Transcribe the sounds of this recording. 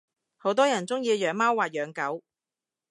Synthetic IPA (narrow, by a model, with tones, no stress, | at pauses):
ho˨˥wt̪ɔː˥jɐ˨˩nt͡sʊ˥ŋjiː˧jœː˨˧˥ŋmaː˥wːaː˨˩t̚jœː˨˥ŋkɐ˨˥w